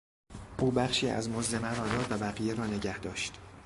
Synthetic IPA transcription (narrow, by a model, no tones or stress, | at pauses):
ʔuːbæχʃiːæ̰zmozd̪emæɾɒːd̪ɒːd̪væbæɣijeɾɒːne̞ɟæhd̪ɒːʃt̪